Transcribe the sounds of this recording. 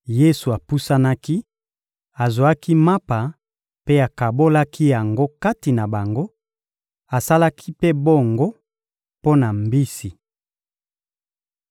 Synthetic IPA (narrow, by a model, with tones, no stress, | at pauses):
je˦su˨a˨pu˦sa˦na˦ki˦ | a˨zwa˦ki˦ma˦pa˨ | pe˦a˨ka˨bo˦la˦ki˦ja˨ŋɡo˦ka˦ti˨na˨ba˨ŋɡo˦ | a˨sa˦la˦kʰi˦pe˦bo˦ŋɡo˦ | po˦na˨mbi˦si˨